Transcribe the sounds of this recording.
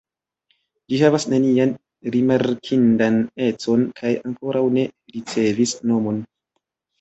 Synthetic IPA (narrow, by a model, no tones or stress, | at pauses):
d͡ʒihavasnenian | ɾimaɾkʰindane̞t͡so̞nkʰajaŋko̞ɾawne̞ɾit͡se̞visno̞mo̞n